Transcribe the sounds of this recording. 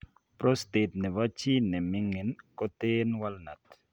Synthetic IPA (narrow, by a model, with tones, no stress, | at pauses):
pɾo˦ste˨t̪̚nɛ˨va˦t͡ʃi˦nɛ˨mɪ˦ŋe˨nkɔ˦t̪e˦nwa˦lna˨t